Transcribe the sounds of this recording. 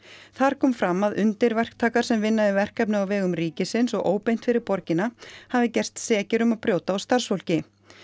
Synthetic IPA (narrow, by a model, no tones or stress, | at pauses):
θaɾ̥kʰɔːmfɾamːaðʏnt̪ɪɾvɛr̥kt̪ʰaːkaɾ̥sɛmvɪnːaðɪvɛr̥kapnʏawvɛːɣʏmɾiːcɪsɪnsɔɣo̰ːwpejn̥t̪fɪɾɪɾpɔɾcɪnahavɪcɛr̥st̪sɛːcɛɾʏmaðpɾjoːwt̪aawst̪ar̥svɔlcɪ